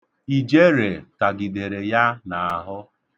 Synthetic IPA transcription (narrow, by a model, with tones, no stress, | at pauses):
i˨d͡ʒe˦ɾe˨ta˨ɡɪ˨de˨ɾe˨ja˦na˨a˨ɦʊ˦